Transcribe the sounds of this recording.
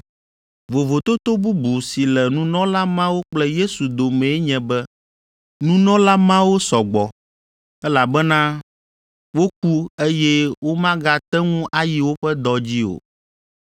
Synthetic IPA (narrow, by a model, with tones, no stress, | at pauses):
vo˨vo˨t̪o˦t̪o˦bu˦bu˨si˨lɛ˨nũ˦nɔ̃˦la˦mã˦wo˦k͡plɛ˦je˦su˨d̪o˨mɛ̃˨˦ɲɛ̃˨bɛ˦ | nũ˦nɔ̃˦la˦mã˦wo˦sɔ˨ɡ͡bɔ˨ | ɛ˦la˨bɛ˦nã˦ | wo˦k̚u˦e˦jɛ˦wo˦mã˦ɡa˦t̪ɛ˦ŋũ˦ʔa˦ji˨wo˦ɸɛ˦d̪ɔ˨d͡ʑi˦o̰˨